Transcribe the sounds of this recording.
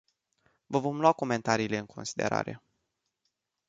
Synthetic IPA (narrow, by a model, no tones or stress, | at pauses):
vəvo̞mluako̞me̞nt̪aɾiːle̞ɨŋkʰo̞nsid̪e̞̰ɾa̰ɾe̞̰